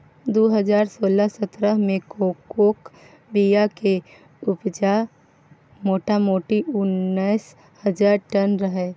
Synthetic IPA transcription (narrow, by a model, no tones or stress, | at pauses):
d̪oːɦəd͡ʒaːɾsoːləsət̪ɾəɦmẽkoːkoːk | bijake | ʊpd͡ʒa | moːʈamoːʈiʔʊnːəs | həd͡ʒaːɾʈənɾəɦɛː